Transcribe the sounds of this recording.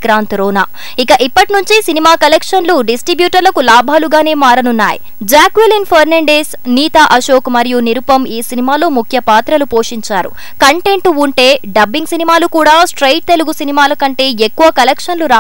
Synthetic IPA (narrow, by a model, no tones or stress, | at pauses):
kɾaːnt̪ɾɔːna̰ː | ikɐʔipːɐʈinuɲt͡ʃisinimaːkɐlekʂɐnluɖisʈɾibjuːʈɐɾlɐkulaːbʱaːluɡaːne̞ːmaːɾɐnunːa̰ːjḭ | d͡ʒaːkʋelinpʰɐɾnɐɳɖesniːt̪aʔɐʃoːkmɐɾijuniɾupɐmiːsinimaːlo̞ːmukʰjɐpaːt̪ɾɐlupo̞ːʂiɲt͡ʃaːɾṵ | kɐɳʈe̞ɳʈuuɳʈe̞ːɖɐbːiŋɡsinimaːlukuːɽaːsʈɾɐjʈ̚t̪eluɡusinimaːlɐkɐɳʈe̞ːekːuʋɐkɐlekʂɐnluɾaː